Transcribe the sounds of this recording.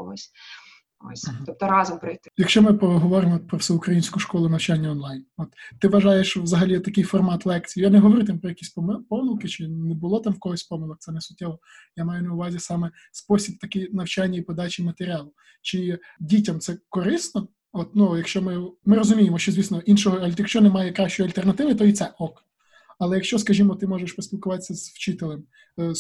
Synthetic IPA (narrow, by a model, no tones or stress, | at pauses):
ɔ̰sʲ | ɔ̰sʲɔp̚t̪ɔɾɑzɔmpɾɪjt̪ɪjɐkʃt͡ʃɔmɪpɾɔɦɔʋɔɾɪmɔt̪pɾɔfsɛʊkɾɐjinʲsʲkʊʃkɔlˠʊnɐwt͡ʃanʲːɐɔnlˠɑjnɔt̪ːɪʋɐʒɑjeʃʋzɐɦɐlʲit̪ɐkɪjfɔrmɑt̪lˠɛkt͡sʲijijanɛɦɔʋɔɾut̪ampɾɔjɐkʲisʲpmpɔmɪlˠkɪt͡ʃɪnebʊlˠɔt̪ɑmwkɔɦɔsʲpɔmɪlˠɔk̚t̪sɛnɛsʊtʲːɛʋɔ | jamɑjʊnɐʊʋɑzʲisɑmɛspɔsʲib̚t̪ɐkɛnɐwt͡ʃɑnʲːɐipɔd̪ɑt͡ʃimɐt̪eɾʲiɑlˠʊ | t͡ʃɪ | dʲitʲɐmt̪sɛkɔɾɪstnɔ | ɔt̪nujɐkʃt͡ʃɔmɪmɪɾɔzʊmʲijemɔʃt͡ʃɔzʲʋʲisnɔʔinʃɔɦɔɐjɐkʃt͡ʃɔnɛmɑjɛkɾɑʃʲt͡ʃɔjɐlʲt̪ernɐt̪ɪʋɪt̪ɔit̪sɛʔɔk | ɐlˠɛjɐkʃt͡ʃɔskɐʒʲimɔt̪ɪmɔʒeʃpɔsʲpʲilˠkʊʋɑt̪e̥sʲːɐz̥wt͡ʃɪt̪elˠɛm